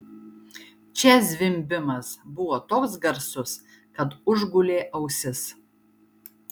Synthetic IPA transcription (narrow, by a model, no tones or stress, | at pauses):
t͡ʃʲɛsʲʋʲɪmʲbʲɪmɐsbʊʋoːt̪oːksɡɐɾsʊs | kɐt̪ʊʒɡʊlʲeːʔɐʊsʲɪs